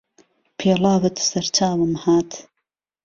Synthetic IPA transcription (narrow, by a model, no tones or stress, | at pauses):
pʰeːlɑːwɨt̪sɐɾt͡ʃaːwɨmhaːt̪